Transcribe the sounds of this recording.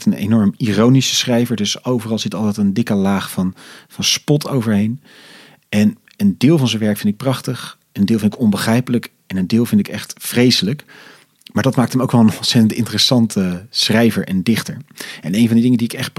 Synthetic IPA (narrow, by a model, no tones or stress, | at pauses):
tənḛjnɔɹmirownisə̥sχrɛjvəɹdɵsowvərɑlˠzɪtɑlˠtɛjtəndɪkəlaːχfɑnvɑnspɔtʰowvəɹɦejn | ɛn | əndɪːlˠvɑnzə̃nʋɛɹkfɪntɪk̚prɑχtəχ | əndɪːlˠfɪntɪkɔnbəχrɛjpələk | ɛnəndɪːlˠvɪntɪkɛχtfrejsələk | maːɹdɑtmaːk̚tɦmowkʋɛlˠənɔnsɛtəntɪ̰ntərəsɑntʰəsχrɛjvə̰ɹʔɛ̰ndɪχtəɹɛnejnvɑndidɪŋədiɪkɛχt̚p